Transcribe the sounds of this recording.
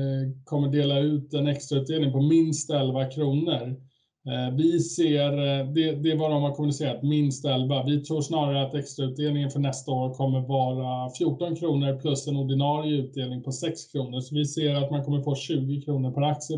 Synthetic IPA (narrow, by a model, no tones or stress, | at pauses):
kʰɔmːəɖeːlaʉ̟ːt̪ɛnɛkst̪ɾaʉ̟t̪̚d̪eːlnɪŋpʰɔmɪnst̪ɛlvakʰɾuːnəɾ | vɪseːɾd̪ɛd̪ɛvɑːɾɔmhaɾkʰɔmːənɪseːɾat̪mɪnst̪ɛlvavɪt̪ʰɾuːʂnɑːɾaɾəat̪ɛkst̪ɾaʉ̟t̪̚d̪eːlnɪŋənfœɳɛst̪aoːɾkʰɔmːəɾvɑːɾafjuːʈːɔnkʰɾuːnəɾpʰlɵsːɛnɔɖɪnɑːɾɪjʉ̟ːt̪̚d̪eːlnɪŋpʰɔsɛkskʰɾuːnəʂɔvɪseːɾat̪mankʰɔmːəɾfoːɕʉ̟ːɡɪkʰɾuːnəɾpʰæɾak̚sɪə